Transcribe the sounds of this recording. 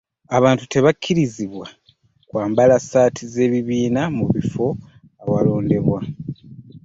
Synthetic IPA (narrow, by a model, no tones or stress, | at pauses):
aβaːntu̥te̞βakʲʰːiɾiziβwa | kwaːmbalasaːtʰize̞ːβiβiːnamuβifo̞ | awalo̞ːnde̞βwa